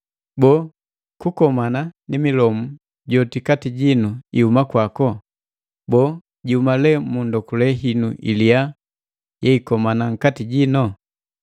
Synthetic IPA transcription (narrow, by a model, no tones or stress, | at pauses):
bɔː | kukɔmananimilɔmu | ɟɔtikatiɟinuiumakwakɔ | bɔː | ɟiumalɛmundɔkulɛɦinṵʔḭlija | jɛikɔmanaŋ̩katiɟinɔ